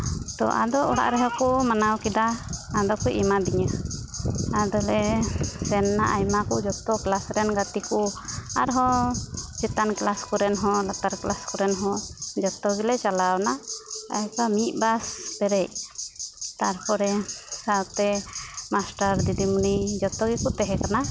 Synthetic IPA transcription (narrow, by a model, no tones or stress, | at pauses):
t̪ɔ̰ʔa̰d̪ɔʔɔɽa̰ʔɾɛɦɔkɔmanawkid̪aːd̪ɔkɔjʔɛmad̪iɲa | ad̪ɔlɛsɛnːa̰ʔajmakud͡ʒɔt̪ɔklasɾɛnɡat̪ikua̰ɾɦɔ | t͡ʃɛt̪anklaskɔɾɛnɦɔ̃lat̪aɾklaskɔɾɛnɦɔ̃d͡ʒɔt̪ɔɡilɛt͡ʃalawnaa̰jkamit̪̚ˀbaspɛɾɛc̚ | t̪aɾpʰɔɾɛsawt̪ɛmasʈaɾd̪id̪imunid͡ʒɔt̪ɔɡikut̪ɛɦɛkana